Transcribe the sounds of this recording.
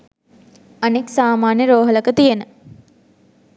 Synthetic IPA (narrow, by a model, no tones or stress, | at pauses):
ɐneksaːmaːnjəɾoːɦələkət̪ijenə